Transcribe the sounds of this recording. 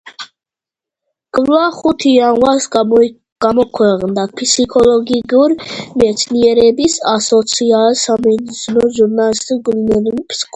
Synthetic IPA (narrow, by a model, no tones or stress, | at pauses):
kʼvlaχut̪ʰianwas | ɡ̥amɔkʰwɛqʼnd̪apʰisikʰɔlɔɡiɡuɾmɛt̪sʰniɛɾɛbisasɔt̪sʰialsamɛnisnɔʒuɾnalist̪uɡulinɛnumpʰskʰ